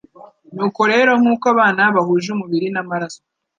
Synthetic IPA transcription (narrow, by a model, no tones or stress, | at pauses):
nuːko̞ɾe̞ːɾo̞ŋ̥uːkaβaːnaβahuːʒumuβiɾinamaɾaso